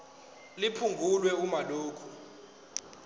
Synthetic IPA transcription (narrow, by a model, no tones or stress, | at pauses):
lipʰuŋɡʱulwɛumaloːkʰu